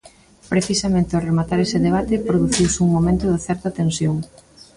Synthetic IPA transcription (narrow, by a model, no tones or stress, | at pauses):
pɾeθisamẽnt̪ɪoremat̪aɾesɪðeβ̞at̪ɪpɾoðuθiwsɪuŋmomẽnt̪ʊðɪθɛɾt̪ɐt̪ẽnsjoŋ